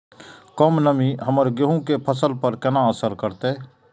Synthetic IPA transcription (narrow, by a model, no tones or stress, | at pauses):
kɔmnəmiɦəməɾɡeɦũkepʰəsəlpəɾkɛnãəsəɾkəɾt̪eː